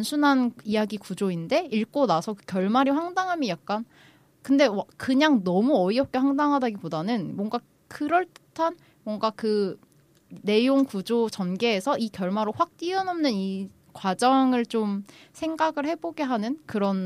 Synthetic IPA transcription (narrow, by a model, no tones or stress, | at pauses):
nsʰunɦanijaɡikud͡ʑoinde̞iɭk͈onasʰʌkɯkjʌɭmaɾiɸwaŋdaŋɦamjʌjak̚k͈an | kɯnde̞wakɯɲaŋnʌmuʌiʌp̚k͈e̞ɸwaŋdaŋɦadaɡipodanɯnmwʌŋɡa | kɯɾʌɭt͈ɯ̥tʰan | mwʌŋɡakɯ | ne̞joŋkud͡ʑot͡ɕʌnɡeːsʰʌʔikjʌɭmaɾoɸwak̚t͈iʌnʌmnɯni | kwad͡ʑʌŋɯɭt͡ɕomsʰe̞ŋɡaɡɯɭhe̞boɡe̞ɦanɯnkɯɾʌn